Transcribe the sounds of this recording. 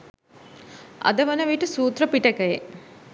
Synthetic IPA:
ɐ̰d̪əʋənəʋiʈəsuːt̪rəpiʈəkəje

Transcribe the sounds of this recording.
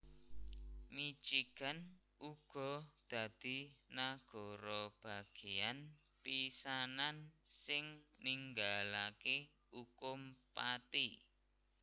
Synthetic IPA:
mit͡ʃikan | uɡ̥ɔ̤d̪̥ä̤d̪̥i̤naɡ̥ɔ̤ɾɔb̥a̤ɡ̥ejan | pisanansɪŋniŋɡalake | ukʊmpat̪i

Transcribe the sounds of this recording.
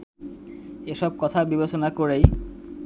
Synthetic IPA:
eʃɔb̚kɔt̪ʰabibet͡ɕonakoɾej

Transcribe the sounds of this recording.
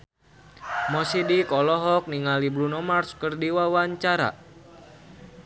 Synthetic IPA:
mɔsidikɔlɔɦɔk̚niŋalibɾunɔmarskərdiwawaɲt͡ʃaɾa̰

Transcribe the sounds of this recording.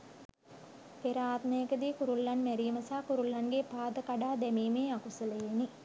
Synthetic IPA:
peɾaːt̪məjəkəd̪iːkuɾulːanmæɾiːməsaːkuɾulːanɡepaːd̪əkaɖaːd̪æmiːmeːakusələjeni

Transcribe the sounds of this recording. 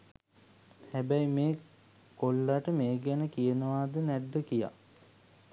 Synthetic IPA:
hæbæjmeː | kolːaʈəmeːɡænəkijənəʋaːd̪ənɛd̪ːəkija̰

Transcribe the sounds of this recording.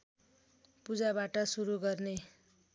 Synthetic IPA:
pud͡zabaʈʌsuɾuɡʌrne

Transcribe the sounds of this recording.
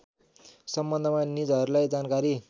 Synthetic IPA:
sʌmbʌnd̪ʱʌmanid͡zʌɾulajd͡zankaɾi

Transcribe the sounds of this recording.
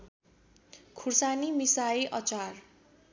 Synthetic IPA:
kʰursanimisaiʔʌt͡sar

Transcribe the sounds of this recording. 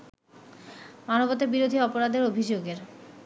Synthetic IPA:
manobot̪ebiɾod̪ʱiɔpoɾad̪eɾobʱid͡ʑoɡeɾ

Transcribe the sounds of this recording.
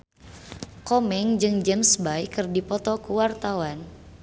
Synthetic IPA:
kɔmɛŋd͡ʒɨŋd͡ʒɛmsbajkɨrdipɔt̪ɔkuwart̪awan

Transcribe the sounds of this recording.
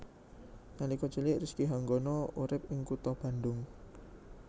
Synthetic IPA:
nanikɔt͡ʃulɪʔriskiɦaŋɡonɔuɾɪp̚ɪŋkut̪ɔb̥ä̤nd̪ʊŋ

